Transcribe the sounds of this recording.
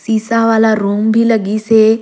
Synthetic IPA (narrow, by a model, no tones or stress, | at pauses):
siːsaʋaːlaɾuːmbʱiləɡiseː